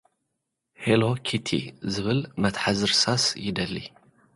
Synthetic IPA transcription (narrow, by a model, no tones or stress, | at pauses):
helokʰit̪ʰḭzɨβɨlmɐt̪ħazɨɾsasjɪd̪ɐlːḭ